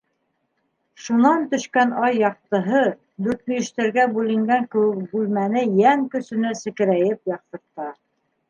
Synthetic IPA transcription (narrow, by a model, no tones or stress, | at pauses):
ʃunɑnt̪ɵ̆ʃkænɑjːɑq̚t̪ɤ̆ɦɤ | d̪ʉɾt̪̚mijɵ̆ʃt̪æɾɡæbʉlɘ̆ŋɡæŋkɘ̆wɘk̚bʉlmænɘjæŋkɵ̆sɵ̆næsɘ̆kɘ̆ɾæjɘpjɑq̚t̪ɤ̆ɾt̪ɑ